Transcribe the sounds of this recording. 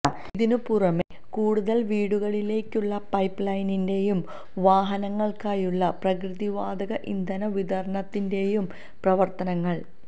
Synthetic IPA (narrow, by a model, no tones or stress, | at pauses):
ðinupurɐme | kuːɽuðɐlʋiːɽuɣɐɭile̞ːkʲːuɭːɐpɐjpːlɐjninde̞jum | ʋaːɦɐnɐŋːɐɭkaːjuɭːɐprɐkrɨðiʋaːd̪ɐɣɐʔḭnd̪ɐnɐʋid̪ɐrɐɳɐt̪ːinde̞jum | prɐʋɐrt̪ɐnɐŋːɐɭ